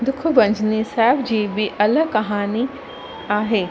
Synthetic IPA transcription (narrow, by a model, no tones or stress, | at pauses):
d̪ʊkʰʊ̆ʋɐ̃ɲd͡ʑnisaːɦɪbd͡ʑiːbɪʔɐləkɐɦaːni | aːɦeː